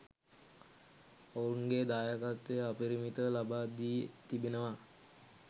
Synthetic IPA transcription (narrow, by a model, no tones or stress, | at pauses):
ounɡed̪aːjakat̪ːejəapiɾimit̪əlabaːd̪iet̪ibenəʋa